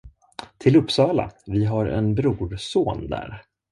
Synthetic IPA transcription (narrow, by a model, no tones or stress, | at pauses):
t̪ʰɪlɵpːsɑːla̰vɪɦaɾɛ̰nbɾuːɖsoːnd̪æ̰ːɾ